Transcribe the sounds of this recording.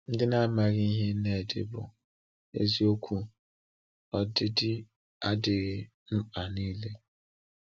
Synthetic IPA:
n̩˦dɪ˦na˦ma˨ɣi˦i˦ɦe˦ne˨dɪ̰˨bʊ̰˨ | ḛ˦zi˦o˦kʷʰu˦ | ɔ˦dɪ˦dɪ˦ | a˦dɪ˨ɣɪ˦ | nʊ˦a˨niː˦le˦

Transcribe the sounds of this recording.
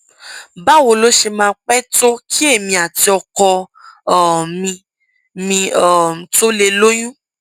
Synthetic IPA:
ba˦wo˨lo˦ʃe˧mãː˧k͡pɛ˦to˦kʰi˦e˦˨mĩ˧a˨ti˧ɔ˧kɔ˧˦˨ | mĩ˧ | mĩ˧ɔ˦˨to˦le˧lo˦j̃ũ˦

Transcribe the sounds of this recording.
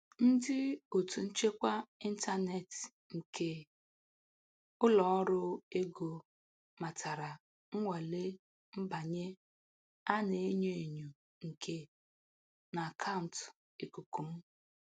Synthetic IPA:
n̩˦dɪ˦o˨tu˨n̩˦t͡ʃe˦kʷa˦i˦n̩˦ta˦ne˨t | ŋ̩˨ke˦ | ʊ˦lɔ˨ɔ˦ɾʊ˦e˦ɡo˨ | ma˨tʰa˨ɾa˨ | ŋ̩˦ŋʷa˨le˦ | m̩˦ba˨ɲe˦ | a˦ne˨˦ɲo˨e˨ɲu˨ | ŋ̩˨kʰe˦ | na˨a˨kʰa˦ʊ˨n̩˨t | e˨ku˨ku˨m̩˦

